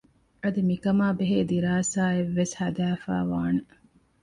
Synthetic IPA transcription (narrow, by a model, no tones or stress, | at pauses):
ʔɐd̪imikɐmaːbeɦeːd̪iɾaːsaːeʋːeshɐd̪æːfæ̰ːʋaːnɐ